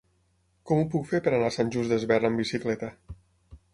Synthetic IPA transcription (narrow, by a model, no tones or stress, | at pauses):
kɔmupukfepəɾanasanʲʒuzd̪əzβɛrəmbisiklɛt̪ə